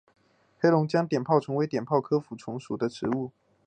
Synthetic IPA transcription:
xe˥ɪlʊ˧˥ŋt͡ɕjɑ˥ŋt̪jɛ˨˩npʰɑ˥˩ʊʈ͡ʂʰʊ˧˥ŋwe˧˥ɪt̪jɛ˨˩npʰɑ˥˩ʊkʰɤ˥fu˧˥ʈ͡ʂʰʊ˧˥ŋʂu˨˩d̪ə˦ʈ͡ʂɻ̩˧˥˦u˥˩

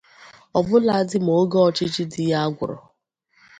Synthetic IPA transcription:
ɔ˨bʊ˦la˨˦dɪ˦m˨o˦ɡe˦ɔ˨t͡ʃi˦t͡ʃi˦dɪ˨ja˦a˦ɡʷʊ̰˨ɾɔ̰˨

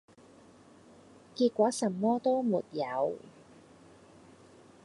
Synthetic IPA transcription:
kiː˧t̚kʷɔː˨˥sɐ˨˩mːɔː˥t̪o˥wmṵː˨˩t̪̚jɐ˨˧w

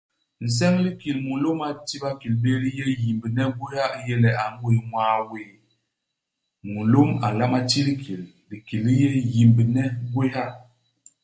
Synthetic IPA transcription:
n̩˨s̬ɛ˦ŋli˦ki˨lmu˨lo˦ma˨ti˦ba˦ki˨lbe˦ɾi˦jɛ˦ji˨mbi˨nɛ˦ɡwe˦ha˦jɛ˦lɛ˨a˨ŋ˦we˨ŋwa˦we˨ | mu˨lo˦ma˨la˦ma˦ti˦li˦kʰi˨l | li˨ki˨li˦jɛ˦ji˨mbi˨nɛ˦ɡwe˦ha˦

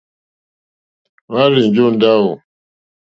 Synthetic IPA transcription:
wa˦ɾi˨nd͡ʒo˦˨n̩˦da˦u˨

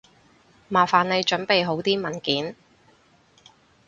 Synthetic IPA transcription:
maː˨˩faː˨nle˨˧jt͡ʃɵ˨˥npe˨jɦo˨˥wt̪iː˥mɐ˨˩nkiː˨˥n

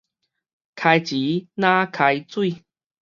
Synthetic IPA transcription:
kʰa˧jt͡ɕi˨˦nã˦kʰa˧jt͡swi˥˧

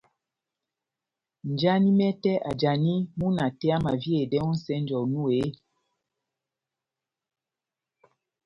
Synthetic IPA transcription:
n˨d͡ʒa˦ni˦mɛ˦tɛ˦ʔa˨d͡ʒa˨ni˦mu˦na˨tɛ˦a˦ma˨vje˦˨dɛ˦u˦n̩˦sɛ˦n˦d͡ʒɔ˨nu˦e˨˦

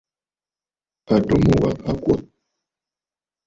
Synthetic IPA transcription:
a˨to˦mo˦˨wa˨a˦kwa˦

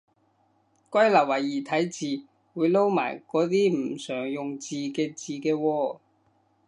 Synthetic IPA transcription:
kʷɐ˥jlɐ˨˩w̚wɐ˨˩jːiː˨˩t̪ʰɐ˨˥jt͡siː˨˧ | wuː˨˧jlo˥wma̰ː˨˩jkɔː˨˥t̪̬iː˥m̩˨˩sœː˨˩ŋjʊ˨ŋt͡siː˨kɛː˧t͡siː˨˧kɛː˧wɔː˧

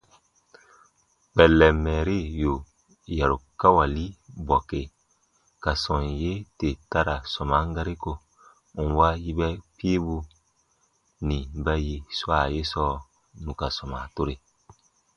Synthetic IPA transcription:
k͡pɛ˨lːɛ˨mɛ˨ɾi˦˨jo˨ | ja˨ɾu˨ka˦wa˨li˦bɔ˨ke˨ | ka˨sɔ̃˨nje˦te˨ta˦ɾa˨sɔ˨ma˨˦ŋ˦ɡa˦ɾi˦ko˨ | u˨wa˦ji˦bɛ˦pi˦bu˧ | nĩ˨bɛ˦ji˨swa˨je˦sɔː˦ | nũ˨ka˨sɔ˨ma˨to˦ɾe˨

